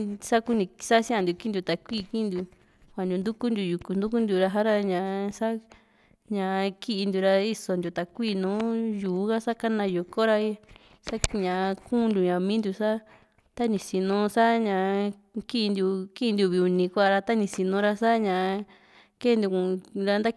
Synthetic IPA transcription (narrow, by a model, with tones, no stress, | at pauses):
sa˦ku˦nĩ˧sa˦sĩ˦ã˧nd̪u˧ki˦nd̪u˧t̪a˨kʷi˦˨˧kĩ˦nd̪u˧ | kʷa˨nd̪u˨˧nd̪u˦ku˦nd̪u˧ju˨ku˧nd̪u˦ku˦nd̪u˧ɾa˧ɦa˦ɾa˦ɲã˧sa˦ | ɲã˧ki˦ʔi˧nd̪u˧ɾa˧i˦so˧nd̪u˧t̪a˨kʷiː˦˨˧nũː˨˦juː˨˦ɣa˦sa˦ka˦nã˧ju˨ko˦ɾa˧i˦ | sa˦ɲã˨˧kũ˦˧nd̪u˨˧ɲã˨mĩː˦nd̪u˧sa˦ | t̪a˦nĩ˧si˧nũ˧sa˦ɲã˧ | ki˦˧nd̪u˧ki˦˧nd̪u˧βi˧u˧nĩ˧kʷa˦˧˨ɾa˧t̪a˦nĩ˧si˧nũ˧ɾa˧sa˦ɲã˧ | ke˦nd̪u˧kũ˧˨ɾa˧nd̪a˦